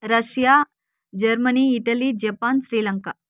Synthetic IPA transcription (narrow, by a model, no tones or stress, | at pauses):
ɾɐʃja | d͡ʒɐɾmɐniːʈɐlid͡ʒɐpaːnsɾiːlɐŋka